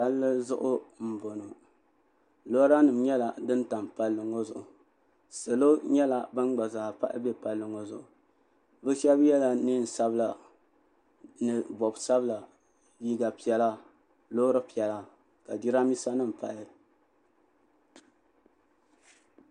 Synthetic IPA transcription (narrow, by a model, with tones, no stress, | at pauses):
a˦lːɨ˦zʊ˦ʔʊ˦m̩˨bo˨no˨ | lo˦ɾa˦nɨ˨mɲɛ˦la˨dɨ˦n˦ta˨mpa˨lːɨ˨ŋo˦zʊ˨ʔʊ˨ | se˨lo˦ɲɛ˦la˨bɨ˦n˦ɡ͡ba˨za˨pa˦ʔɪ̰˦bɛ˦pa˨lːɨ˨ŋo˦zʊ˨ʔʊ˨ | bɨ˦ʃɛ˦bjɛ˦la˨ni˦n̩˨sa˦bla˨ | nɨ˨bɔ˨bsa˦bɨ˦la˨ | ji˦ɡa˨pi˨ɛ˨la˦ | loː˦ɾɨ˦pi˨ɛ˨la˦ | ka˨di˦ɾa˦mi˦sa˦nɨ˦m̩˨pa̰˨ʔɪ˦